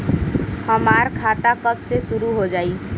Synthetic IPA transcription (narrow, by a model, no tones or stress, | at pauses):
həmaːɾkʰaːt̪akəbsesʊɾuɦod͡ʒaːi